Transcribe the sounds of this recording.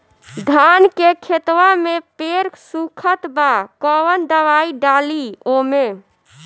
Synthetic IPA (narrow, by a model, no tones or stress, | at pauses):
d̪ʱankekʰet̪wamepeɾsukʰət̪bakɔʋənd̪əʋaiɖaliome